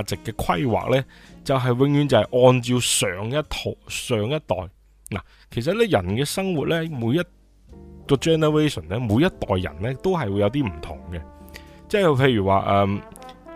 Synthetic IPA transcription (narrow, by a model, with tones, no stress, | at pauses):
t͡sɪ˨kːɛː˧kʰɐ˥jwa̰ː˨k̚lɛː˥t͡sɐ˨wɦɐ˨jwɪ˧ŋjyː˧nt͡sɐ˨˧hɐ˨˩jʔɔː˧nt͡siː˧wsœː˨ŋjɐ˥tt̪ʰo˨˧sœː˨˧ŋjɐ˥t̚t̪ɔ̰ː˨˩j | na̰˨˩ | kʰe˨˩js̬ɐ˨t̚lɛː˥jɐ˨˩nkɛː˧sɐ˥ŋwuː˨t̚lɛː˥muː˨˧jɐ˥t̚ | kɔː˧t͡ʃɛː˥nɛ˨ɹe˥sɔ˨˩nlɛː˥muː˨˧jɐ˥t̚t̪ɔː˨jːɐ̰˨˩nlɛː˦˥t̪o˥wɦɐ˨jwu˨˧jɐ˨˧wt̪̬iː˥m̩˨˩t̪ʰʊ̰˨˩ŋɡɛ˧t͡sɛː˥pʰe˧jɥyː˨˩wa̰ː˨˧ʔɛː˨˧m